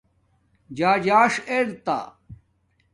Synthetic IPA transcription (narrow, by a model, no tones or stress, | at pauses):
d͡ʑaːd͡ʑaːʂeɾt̪a̰ː